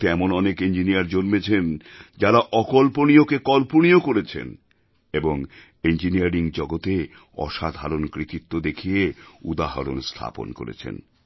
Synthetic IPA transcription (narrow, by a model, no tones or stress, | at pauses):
t̪eɛmonɔnekind͡ʑinijaɾd͡ʑonmet͡ɕʰend͡ʑaɾaʔɔkolponiokekɔlponiokoɾet͡ɕʰḛn | eboŋ | end͡ʑiniaɾiŋd͡ʑɔɡot̪e | ɔ̰ʃad̪ʱaɾonkɾit̪it̪ːod̪ekʰijeud̪aɦa̰ɾo̰nst̪ʰa̰po̰nko̰ɾḛt͡ɕʰḛn